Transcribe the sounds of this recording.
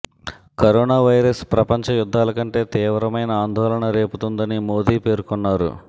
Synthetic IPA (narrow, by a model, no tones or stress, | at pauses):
kɐɾɔːnaːʋɐjɾɐspɾɐpɐɲt͡ʃɐjud̪ʱːaːlɐkɐɳʈe̞ːt̪iːʋɐɾɐmɐjnɐaːnd̪ʱɔːlɐɳɐɾe̞ːput̪und̪ɐnimo̞ːd̪iːpe̞ːɾukɔnːaːɾṵ